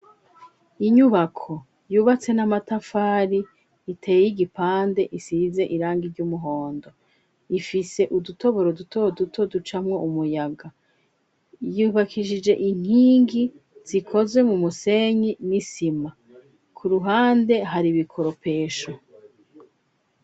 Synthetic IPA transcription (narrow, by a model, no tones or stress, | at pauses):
iɲuβakʰo̞ | juːβat͡se̞namatafaːɾiː | tʰe̞jejiɡipaːnde̞ʔisize̞ʔiɾaːŋɡiɾɟumuɦo̞ːndo̞ | ifiseʔuduto̞βo̞ɾodutʰo̞dutʰo̞dut͡ʃamŋo̞ʔumujaɡa | juːβakʰiʒid͡ʒe̞ʔiŋ̥hiːŋɡi | z̥ikʰo̞zwe̞mumuse̞ɲinisima | kʰuɾuɦaːnde̞ɦaɾiβikʰo̞ɾo̞pe̞ːʃo